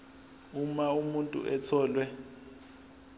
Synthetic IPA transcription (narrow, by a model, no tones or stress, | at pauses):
umaumuntʼṵʔɛtʰɔːlwɛ